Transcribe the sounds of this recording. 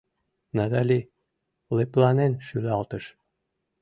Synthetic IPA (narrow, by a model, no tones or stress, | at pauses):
nɑd̪ɑlʲi | leplˠɑnenʃylɑlt̪ɤ̆ʃ